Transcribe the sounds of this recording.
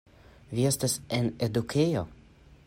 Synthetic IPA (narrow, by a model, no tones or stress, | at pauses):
viest̪asened̪ukʰejo